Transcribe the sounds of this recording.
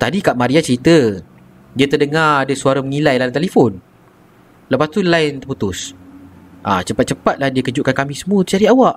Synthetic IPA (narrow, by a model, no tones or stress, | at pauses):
t̪adikaʔmãɾiat͡ʃəɾit̪ə | diat̪ərdəŋaadasuaɾaməŋilajlaint̪ɛlefɔn | ləpast̪ulaɪnt̪ərput̪ʊs | ʔa̰t͡ʃəpat̪̚t͡ʃəpat̪̚lahdiakəd͡ʒuʔkankamɪsəmuut̪t͡ʃaɾiawaʔ